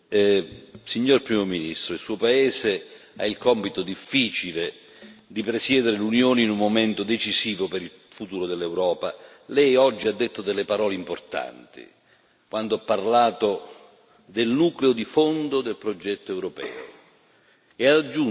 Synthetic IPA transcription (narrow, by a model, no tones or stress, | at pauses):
siɲːorpɾiːmominist̪ɾoilsuːopaɛːse | a̰ilkɔmpit̪od̪ifːiːt͡ʃile | d̪ipɾesjɛːd̪eɾelunjoːneinumːomɛnt̪od̪et͡ʃiziːvopeɾil | fut̪uːɾod̪elːɛwɾɔːpa | lɛjɔd͡ʒːiad̪ːet̪ːod̪elːepaɾɔːleimport̪a̰nt̪ḭ | kwand̪oapːarlaːt̪o | d̪elnuːkleod̪ifond̪od̪elpɾod͡ʒɛt̪ːoɛwɾopɛ̰ːo̰ | eaad͡ʒːu